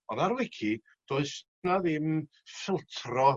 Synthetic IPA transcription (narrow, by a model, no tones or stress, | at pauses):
ɔðaɾwɪkʰi | d̥oːɨs | naðɪm | fɪlˠtʰrɔ